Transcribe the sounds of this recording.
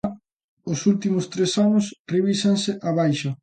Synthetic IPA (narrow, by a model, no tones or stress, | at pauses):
ʊsult̪imʊst̪ɾesanʊsreβisensɪʔaβajʃɐ